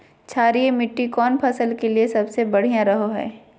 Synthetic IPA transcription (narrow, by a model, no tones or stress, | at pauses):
t͡ʃʰaːɾiemɪʈːikɔːnpʰɐsəlkeliesɐbsebɐɽ̤ijãɾɐɦoɦɛ̰ː